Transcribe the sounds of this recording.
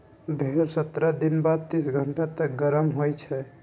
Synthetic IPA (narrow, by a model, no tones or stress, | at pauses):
bʱeɾsət̪ɾəd̪inbad̪̚t̪isɡʱəɳʈat̪əɡəɾəmɦojt͡ʃʰɛ